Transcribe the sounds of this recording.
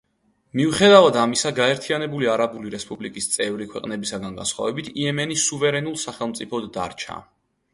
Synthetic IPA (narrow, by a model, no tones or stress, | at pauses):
miuχɛd̪avad̪amisaɡaɛɾt̪ʰianɛbuliaɾabuliɾɛspʼublikʼist̪sʼɛvɾikʰwɛqʼnɛbisaɡanɡa̰nsχwa̰vɛbit̪ʰiɛmɛnisuvɛɾɛnulˠsaχɛlˠmt̪sʼipʰɔd̪ːa̰ɾt͡ʃʰa̰